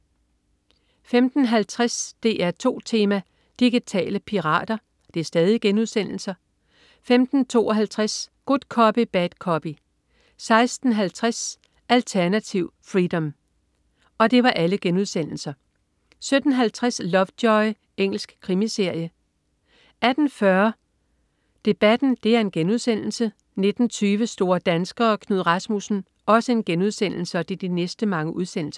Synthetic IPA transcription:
femd̥n̩ɦælt͡sʰʁasd̥e̝ːæɐt͡sʰo̝̰ːt͡sʰe̝ːmæ | d̥iɡ̥it͡sʰɛ̰ːləpʰiʁɑ̰̈ːd̥ɐ | d̥e̝sd̥ɛːðˠiɡ̥enuðˠsen̰l̩sɐ | femd̥n̩t͡sʰo̝̰ːɒɦælt͡sʰʁasɡ̥od̥ˠkʰɒ̽b̥ib̥æd̥kʰɒ̽b̥i | sɑ̈ɪsd̥n̩ɦælt͡sʰʁas | ʔælt͡sʰæɐnæt͡sʰiʊ̰fʁid̥ɒ̽m | ɒ̽d̥e̝ʋɑ̈ʔæləɡ̥enuð̞ˠsen̰l̩sɐ | sød̥n̩ɦælt͡sʰʁaslɒ̽fd̥ɒ̽ɪ | eŋ̰l̩sɡ̥kʰʁimise̝ɐ̰jə | ʔæd̥n̩fɶɐ | d̥e̝b̥æd̥n̩d̥e̝æɐe̝nɡ̥enuðˠsen̰l̩sə | ne̝d̥n̩t͡sʰyːʋəsd̥o̝ːɐd̥ænsɡ̥ɐːkʰnuð̰ˠʁɑ̈smusn̩ | ɒ̽səe̝nɡ̥enuð̞ˠsen̰l̩səɒd̥e̝d̥inesd̥əmɑ̈ŋəʔuð̞ˠsen̰l̩s

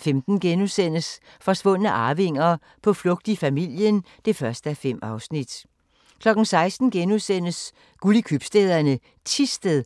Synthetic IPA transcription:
femd̥n̩ɡ̥enusen̰əs | fɒ̽sʋɔ̽n̰ənəʔɑ̈ːʋe̝ŋ̰ɐ | pʰɒ̽flɔ̽ɡ̥̚d̥ifæmil̰jən | d̥e̝fɶɐsd̥əæfem̰ɑ̈ʊsnid̥ | kʰlɒ̽ɡ̥n̩sɑ̈ɪsd̥n̩ɡ̥enusen̰əs | ɡ̥ulikʰyb̥sd̥eðˠɐnə | t͡sʰisd̥əð̩ˠ

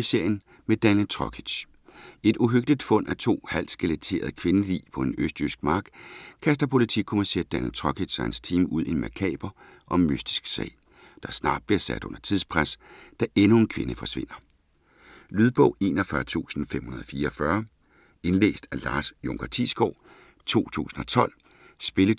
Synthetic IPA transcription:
ise̝ɐ̰jən | med̥ænjənt͡sʰʁɒ̽kʰi̥ɕ | e̝d̥uɦøɡ̥d̥id̥fɔ̽n̰ʔæt͡sʰo̝̰ːhæl̰̥sɡ̥elet͡sʰe̝̰ːɐðˠkʰʋe̝nəlḭːpʰɒ̥̽enøsd̥ysɡ̥mɑ̈ːɡ̥kʰæsd̥ɐpʰo̝lit͡sʰikʰomæɐsḛːd̥̚ænjənt͡sʰʁɒ̽kʰi̥ɕɒhænst͡sʰiːmuð̰ˠinmækʰɛ̰ːb̥ɐ | ʔɒ̽mːysd̥i̥sɡ̥sɛ̰ɪ̰ | d̥ɑ̈snɑ̈ːd̥̚b̥liɐsæd̥ɔ̽nɐt͡sʰið̞ˠspʰʁasd̥æʔenue̝nkʰʋe̝nəfɒ̽sʋe̝n̰ɐ | lyðˠb̥ɔ̽ʊe̝ːnɒfɶɐt͡sʰṵːsn̩fem̰hunɐðˠɒfiːɐːfɶɐ | e̝nlḛːsd̥ælɑ̈ːsjoŋɡ̥ɐt͡sʰisɡ̥ɒʊ̰ | t͡sʰo̝̰ːt͡sʰṵːsn̩ɒ̽t͡sʰɒ̽l̰ | sb̥e̝lə

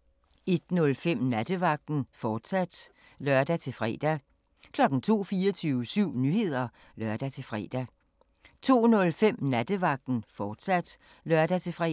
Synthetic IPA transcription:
e̝d̥nɔ̽lfem̰næd̥əʋɑ̈ɡ̥̚d̥n̩fɒːd̥sæd̥ | lɶɐd̥æt͡sʰe̝lfʁɛ̰ːd̥æ | kʰlɒ̽ɡ̥n̩t͡sʰo̝̰ːfiːɒt͡sʰyːʊəsyʊ̰nyhe̝ð̞̰ˠɐ | lɶɐd̥æt͡sʰe̝lfʁɛ̰ːd̥æ | t͡sʰo̝̰ːnɔ̽lfem̰næd̥əʋɑ̈ɡ̥̚d̥n̩fɒːd̥sæd̥ | lœɐd̥æt͡sʰe̝fʁɛ

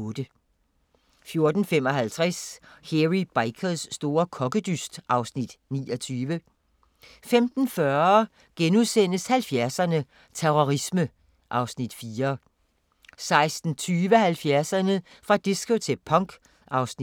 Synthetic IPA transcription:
ɔːd̥ə | fjo̝ɐd̥n̩fem̰ɒ̽ɦælt͡sʰʁɛsheʁib̥aɪkʰəðˠsːd̥o̝ːɐkʰɒ̽ɡ̥əd̥ysd̥ʔɑ̈ʊsnid̥nḭːɒt͡sʰyːʋə | femd̥n̩fɶɐ | ɡ̥enuðˠsen̰əshælfjæɐsɐnə | t͡sʰeʁɔʁismə | ʔɑ̈ʊsnid̥fiːɐ | sɑ̈ɪsd̥n̩t͡sʰyːʋəhælfjæɐsɐnə | fʁɑ̈d̥iskot͡sʰe̝pʰɒ̽ŋ̰ɡ̥ | ʔɑ̈ʊsni

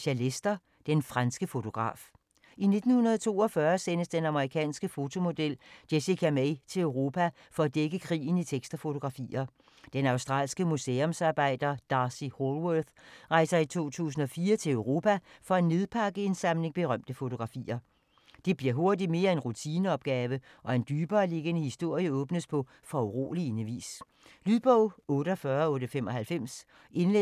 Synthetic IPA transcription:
ɕælesd̥ɐ | d̥enfʁɑnsɡ̥əfo̝t͡sʰo̝ɡ̥ʁɑ̰̈ːf | ʔine̝d̥n̩hunɐðˠt͡sʰo̝̰ːɒ̽fɶɐsen̰əsd̥enɑ̈məʁikʰɛ̰ːnsɡ̥əfo̝t͡sʰo̝mo̝d̥el̰d̥esikʰæmeɪt͡sʰe̝løʊʁo̝ːpʰæ | fɒ̽æd̥eɡ̥əkʰʁḭːn̩it͡sʰeɡ̥sd̥ɐfo̝t͡sʰo̝ɡ̥ʁɑ̈fḭːɐ | d̥enɑ̈ʊsd̥ʁɑ̰̈ːlsɡ̥əmuseomsɑ̈ːb̥ɑ̈ɪ̰d̥ɐd̥ɑ̈siholwøθʁɑ̈ɪsɐit͡sʰo̝̰ːt͡sʰṵːsn̩ɒ̽fiːɐt͡sʰe̝løʊʁo̝ːpʰæfɒ̽ene̝ð̞ˠpʰɑ̈ɡ̥əe̝nsɑ̈mle̝ŋb̥e̝ʁɶm̰d̥əfo̝t͡sʰo̝ɡ̥ʁɑ̈fḭːɐ | d̥e̝b̥liɐɦo̝ɐd̥i̥me̝ːɐe̝nʁut͡sʰiːnəɒ̽b̥̚ɡ̥ɛːʋəʔɒ̽e̝nd̥yːb̥ɐːle̝ɡ̥ənəhisd̥o̝ɐ̰jəɔ̽ːb̥nəspʰɒ̽ | fɒuʁo̝̰ːlienəʋḭːs | lyðˠb̥ɔʊ̰ɔ̽ːɾəɒfɶːɐɔ̽ːɾəfem̰ɒ̽hælfem̰s | e̝ne

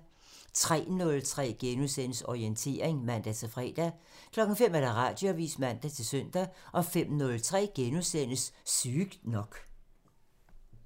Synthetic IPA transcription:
t͡sʰʁɛ̰ːnɔ̽lt͡sʰʁɛ̰ːɡ̥enusen̰əsɒient͡sʰe̝̰ːɐe̝ŋmæn̰d̥æt͡sʰe̝lfʁɛ̰ːd̥æ | kʰlɒ̽ɡ̥ŋ̩fem̰æɾ̥æʁɑ̈d̥jo̝æʋḭːsmæn̰d̥æt͡sʰe̝søn̰d̥æʔɒ̽fem̰nɔ̽lt͡sʰʁɛ̰ːɡ̥enusen̰əssyːɡ̥nɒ̽ɡ̥

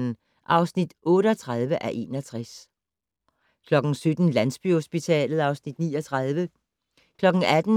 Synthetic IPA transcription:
n̩ | ʔɑ̈ʊsnid̥ɔ̽ːɾəɒt͡sʰʁað̞ˠʋəʔæʔe̝̰ːnɒt͡sʰʁas | kʰlɒ̽ɡ̥n̩sød̥n̩lænsb̥yhosb̥it͡sʰɛ̰ːlð̩ˠɑ̈ʊsnid̥nḭːɒt͡sʰʁɑð̞ˠʋə | kʰlɒ̽ɡ̥ŋ̩æd̥n̩

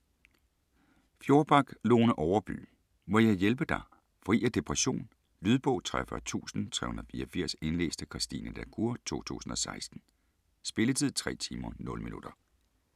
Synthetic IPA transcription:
fjo̝ɐb̥ɑ̈ɡ̥lo̝ːnəʔɒʊɐb̥y̰ː | mɒjɑ̈ɪjelb̥əd̥ɑ̈ | fʁḭːæd̥e̝pʰʁɛɕo̝̰ːn | lyð̞ˠb̥ɔ̽ʊ̰t͡sʰʁafœt͡sʰṵːsn̩t͡sʰʁɛ̰hunɐðˠfiːɐfiɐ̰se̝nlḛːsd̥əkʰʁɑsd̥ḭnəd̥ækʰuɐt͡sʰo̝̰ːt͡sʰṵːsn̩ɒ̽sɑ̈ɪsd̥n̩ | sb̥e̝lət͡sʰið̞̰ˠt͡sʰʁɛ̰ːt͡sʰiːmɐnɔ̽ləminud̥ɐ

